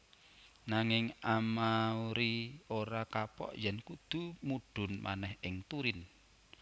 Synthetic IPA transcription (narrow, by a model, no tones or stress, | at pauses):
naŋɪŋamauɾioɾakapɔ̰ʔjɛnkud̪̥ṳmuɖ̥ʊ̤nmʔa̰nɛhɪŋt̪uɾɪn